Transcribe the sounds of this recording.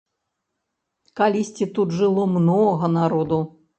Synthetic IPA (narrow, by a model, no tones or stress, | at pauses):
kalʲisʲt͡sʲit̪ud̪ʐɨlˠɔmnɔɣɐnaɾɔd̪u